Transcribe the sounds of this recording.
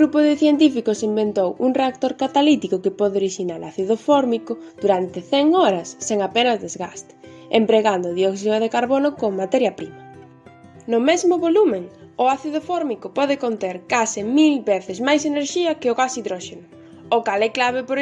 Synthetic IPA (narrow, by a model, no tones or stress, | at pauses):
ɣɾupʊðɪθjent̪ifikʊsimbent̪owuŋreak̚t̪oɾkat̪alit̪ikʊkɪpɔðɪoɾiʃinaɾa̰θiðofɔɾmikʊd̪̥uɾant̪ɪθɛŋɔɾɐsːeŋapenɐzd̪ezɣast̪ɪ̥ḛmpɾeɣand̪ʊðiɔksiðoðekaɾβonʊkoŋmat̪ɛɾjɐpɾimɐ | nʊmɛzmʊβolumẽŋʊaθiðofɔɾmikʊpɔðɪkont̪eɾkasɪmilbeθɪsmajseneɾʃiɐkeʊɣasiðɾɔʃenʊ | okalɛklaβɪpoɾ